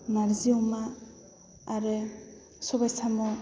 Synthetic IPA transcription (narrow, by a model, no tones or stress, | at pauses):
maɾziwmaː | ɾɯ | sɔbajsamɔ